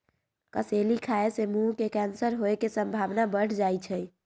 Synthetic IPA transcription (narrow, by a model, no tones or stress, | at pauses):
kəselikʰaesemukekɛnsəɾɦoekesəmbʱabnabəɽ̤ʰd͡ʒajt͡ʃʰəj